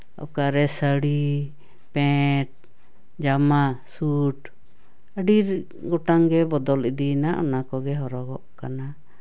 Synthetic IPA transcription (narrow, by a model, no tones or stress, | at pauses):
ɔ̰kaɾɛsəɽi | pɛ̃ʈ̚ | d͡ʒamasuʈ | əɖiɾ | ɡɔʈaŋɡɛbɔd̪ɔlid̪inaʔɔnakɔɡɛɦɔɾɔɡɔʔkana